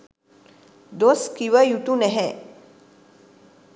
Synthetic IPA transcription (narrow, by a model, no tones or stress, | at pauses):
d̪oskiʋəjut̪unɛɦɛ